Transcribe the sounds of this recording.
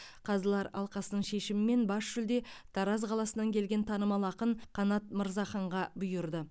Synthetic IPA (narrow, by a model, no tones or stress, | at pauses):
qʰɑzəlˠɑɾɑ̰lˠqɑsənəɴʃe̞ʃɪmɪme̞nbɑsʒ̥ʏld̪e̞t̪ʰɑɾɑzqʰɑlˠɑsənɑŋkʲʰe̞lɡʲe̞nt̪ʰɑnəmɑlˠɑqənqʰɑnɑt̪̚məɾzɑχɑɴʁɑbʊjʊɾd̪ə